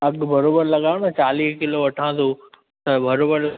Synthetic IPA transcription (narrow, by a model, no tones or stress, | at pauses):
ɐɡbʱɐɾoːbəɾlɐɠaːɪɽ̃t͡ɕaːliːɦkɪloʋɐʈʰãːt̪ʰo | t̪ɐbʱɐɾoːbəɾ